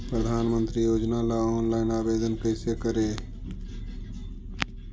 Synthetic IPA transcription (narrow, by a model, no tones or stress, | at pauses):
pɾəd̪ʱaːnmə̃nt̪ɾijoːd͡ʒnalaɔːnlaːɪnaːbeːd̪ənkəɪsekəɾe